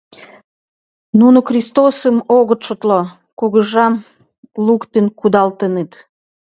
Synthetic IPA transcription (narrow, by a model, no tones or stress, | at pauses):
nunuxrʲist̪osəmoɣə̆t̪ʃot̪lo | kuɣəʒɑm | lukt̪enkud̪ɑlt̪ənet̪